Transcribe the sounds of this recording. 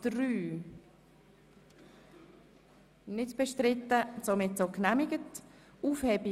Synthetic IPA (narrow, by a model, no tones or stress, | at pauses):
d̥ryː | nɪtb̥ɛʃtɾɪtːət͡somɪtt͡soknɛmɪɡət | uːfheːbi